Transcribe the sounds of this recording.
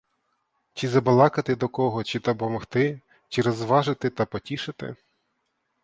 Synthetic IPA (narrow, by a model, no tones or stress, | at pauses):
t͡ʃizɐbɐlˠɑkɐt̪ɪd̪ɔkɔɦɔt͡ʃit̪ɐpɔmɔxt̪ɪ | t͡ʃiɾɔzʋɑʒɪt̪ɪt̪ɐpɔtʲiʃɪt̪ɪ̰